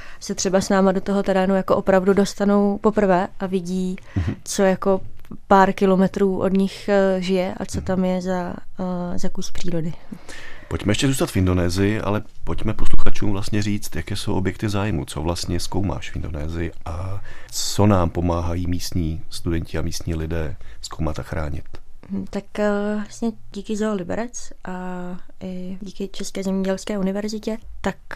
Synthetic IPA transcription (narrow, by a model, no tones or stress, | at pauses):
sɛt̪r̥ɛbasnaːmado̞t̪oɦo̞t̪ɛɾɛːnujakoʔo̞pɾavdudo̞st̪ano̞wpo̞pr̩vɛːʔavɪɟiː | t͡so̞jako̞paːɾkɪlo̞mɛt̪ɾuːʔo̞dɲɪxʒɪjɛʔa̰t͡so̞t̪amjɛza | zakujipr̥iːɾo̞dɪ | po̞cmɛjɛʃcɛzuːst̪at̪fɪndo̞nɛːzɪjɪʔa̰lɛpo̞cmɛposluxat͡ʃuːmvlast̪ɲɛriːt͡st̪jakɛːsowʔobjɛk̚t̪ɪzaːjmṵt͡so̞̰vlast̪ɲɛskowma̰ːʃfɪndo̞nɛːzɪjɪʔat͡so̞naːmpo̞maːɦajiːmiːst̪ɲiːst̪udɛɲcɪamiːst̪ɲiːlɪdɛːsko̞wmat̪axɾa̰ːɲɪ̰t̪m̩t̪akasɲɛɟiːkɪzalɪbɛ̰ɾɛt͡sʔaʔɪɟiːkɪt͡ʃɛskɛːzɛmɲɛɟɛlskɛːunɪvɛɾzɪcɛt̪ak